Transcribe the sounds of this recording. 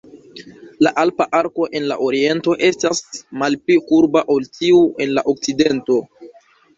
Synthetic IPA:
laʔalpaʔaɾko̞ʔe̞nla̰ʔo̞ɾie̞nto̞ʔe̞stasmalplikuɾbaʔo̞ltiuʔe̞nlaʔo̞k̚t͡side̞nto̞

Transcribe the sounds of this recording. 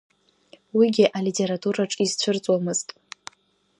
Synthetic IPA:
wiɡʲɪʔalitʰe̞ɾatʰuɾaʈ͡ʂʼizt͡ɕʷʰʊrt͡sʷʼwamɨz̥tʼ

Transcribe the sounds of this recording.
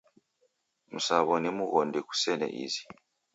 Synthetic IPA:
musaβɔnimuɣɔndeku̥sɛnɛ̰ʔḭzi̥

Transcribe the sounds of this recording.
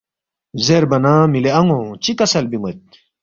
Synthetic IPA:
zeɾbɐnãːmileɐŋõt͡ɕikɐsɐlbimɐt̪̚

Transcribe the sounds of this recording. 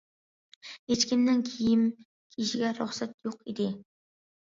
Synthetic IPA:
kʲet͡ʃkʲɪnd̪ankʲʰijɪm | kʲʰiʃiɡʲɛɾʊχsat̪joqid̪ɪ

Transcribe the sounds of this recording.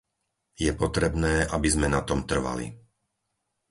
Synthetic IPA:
jɛpɔt̪ɾɛbnɛːʔabizmɛnat̪ɔmt̪r̩ʋa̰lḭ

